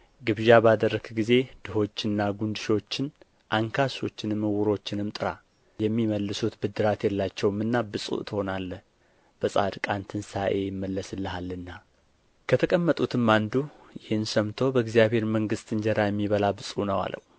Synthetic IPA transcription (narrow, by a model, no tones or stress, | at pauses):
ɡɨβʒabad̪ərːəɡɡize̞d̪̥ɨho̞t͡ʃːɨnːaɡund̪ɨʃo̞t͡ʃːɪn | ʔaŋkʰaso̞t͡ʃːɪnɨmːəwʊɾo̞t͡ʃːɪnɨmt̪ʼɨɾa̰ | jɛmːiməlːɨsut̪bɨd̪ːɨɾat̪jɛlːat͡ʃːɛwmːɨnːabɨsʼṵʔt̪ʰho̞nalːəh | b̥əsʼa̰d̪kʼant̪ʰɨnsaʔe̞jɪmːəlːəsɨlːəhalːɨnːa | kʰət̪ʰəkʼəmːət̪ʼut̪ʰɨmːand̪u | jɪhɨnsəmt̪ʰo̞bəɨɡzijabhe̞ɾməŋɡɨst̪ɨɲd͡ʒəɾajɛmːiβəlabɨsʼunəwa̰lə̰w